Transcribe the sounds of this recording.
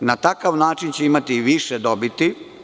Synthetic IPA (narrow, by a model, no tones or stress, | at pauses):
nat̪akaʋnaːt͡ʃint͡ɕeimat̪iʋiʃed̪o̞bit̪i